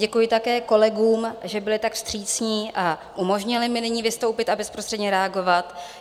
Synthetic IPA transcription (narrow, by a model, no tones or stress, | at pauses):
ɛkujɪt̪akɛːko̞lɛɡuːmʒɛbɪlɪt̪akst̪r̝̥iːt͡sɲiːʔaʔumo̞ʒɲɪlɪmɪnɪɲiːvɪst̪o̞wpɪt̪abɛspɾost̪r̥ɛd̪ɲɛɾɛaɡo̞vat̪